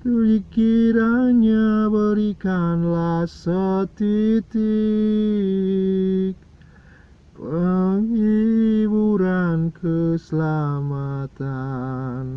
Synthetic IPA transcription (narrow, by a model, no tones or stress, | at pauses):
t̪əlikiɾaɲabəɾikanlasət̪it̪i | k | pəŋibuɾankəsəlamat̪an